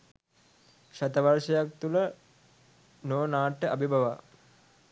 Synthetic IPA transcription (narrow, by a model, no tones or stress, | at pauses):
ʃat̪əʋaɾʃɐjak̚t̪ulə | noːnaːʈːəabibʱɐʋa